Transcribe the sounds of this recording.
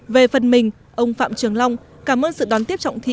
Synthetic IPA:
ve˨˩fə˨˩nmï˨˩ŋ̟ | ʔə˧wŋ͡mfa̰ː˧˨mt͡ɕɨ˨˩əŋla˧wŋ͡m | kaː˧˩mʔəː˧nsɨ̰˧˨ɗɔ˨˦nt̪i˦˥əp̚t͡ɕɔ̰˧˨wŋ͡mt̪ʰḭ˧˨

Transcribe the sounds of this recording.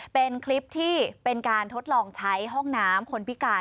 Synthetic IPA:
pe˧nkʰli˦˥p̚t̪ʰiː˥˩pe˧nkaː˧nt̪ʰo˦˥t̪̚lɔː˧ŋt͡ɕʰa˦˥jɦɔ˥˩ŋnaː˦˥mkʰo˧npʰi˦˥kaː˧˩

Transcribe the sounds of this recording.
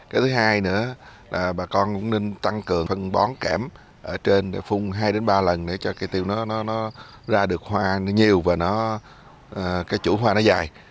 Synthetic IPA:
kaː˨˦jt̪ʰɨ˨˦ɦaː˧jnɨ̰˧˥əlaː˨˩ɓaː˨˩kɔ˧nkʊ̰˧˥ŋ͡mne˧nt̪a˧ŋkɨ˨˩əŋfə˧nɓɔ˨˦nkaː˧˩m | ʔəː˧˩t͡ɕe˧nɗḛ˧˩fʊ˧ŋ͡mɦaː˧jɗe˨˦nɓaː˧lə˨˩nɗe˧˩t͡ɕɔ˧kaː˨˦jt̪i˧wnɔ˨˦nɔ˨˦nɔ˨˦ | zaː˧ɗɨ˨˩ək̚hwaː˧n˨˦ɲi˨˩əwvaː˨˩nɔ˨˦ | əː˨˩kaː˨˦jt͡ɕṵ˧˥ɦwaː˧nɔ˨˦zaː˨˩j

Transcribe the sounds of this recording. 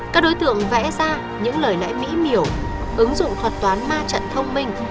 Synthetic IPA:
kaː˦˥k̚ɗo˨˦jt̪ɨ̰˧˨əŋvɛ̰˧˥zaː˧ | ɲɨ̰˧˥ŋləː˨˩jlɛ̰˧˥jmḭ˧˥mi˧˩əw | ʔɨ˨˦ŋzʊ̰˧˨ŋ͡mt̪ʰwə˨˩t̚t̪waː˨˦nmaː˧t͡ɕə̰˧˨nt̪ʰə˧wŋ͡mmï˧ŋ̟

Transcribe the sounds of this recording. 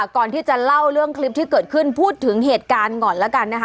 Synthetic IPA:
kɔː˨˩nt̪ʰiː˥˩t͡ɕa˨˩la˥˩wɾɯ˥˩əŋkʰli˦˥p̚t̪ʰiː˥˩kɤː˨˩t̪̚kʰɯ˥˩npʰuː˥˩t̪ʰːɯ˩˦ŋɦeː˨˩t̪̚kaː˧nŋɔ˨˩nlɛː˦˥ka˧nːa˦˥kʰ

